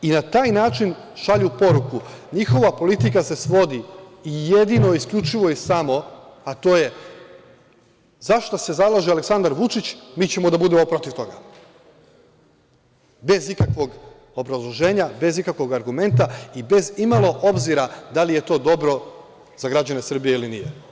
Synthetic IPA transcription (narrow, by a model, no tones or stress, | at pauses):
inat̪aːjnaːt͡ʃin | ʃaʎupo̞ɾukuɲixo̞ʋapo̞lit̪ikase̞sʋo̞d̪iije̞d̪inoiskʎut͡ʃiʋo̞isamo̞at̪o̞ːje̞ | zaʃt̪ose̞zalˠaʒialeksand̪aɾʋut͡ʃit͡ɕmiːt͡ɕe̞mo̞d̪abud̪emo̞pɾo̞t̪iʋt̪o̞ɡa | be̞zikakʋo̞ɡ | o̞bɾazlˠo̞ʒe̞ːɲabe̞zikakʋo̞ɡaɾɡume̞nt̪aibe̞zimalˠo̞ʔo̞bziɾad̪alije̞t̪o̞ːd̪o̞bɾo̞ | z̥aɡɾad͡ʑane̞sr̩bije̞ilinḭje